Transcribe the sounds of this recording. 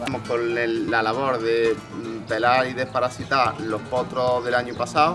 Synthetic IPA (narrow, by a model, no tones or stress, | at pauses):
mohkonelːalaβ̞o̞ɾðepe̞laɾiðe̞hpaɾasit̪aɾlo̞hpot̪ɾoðe̞laɲupasaw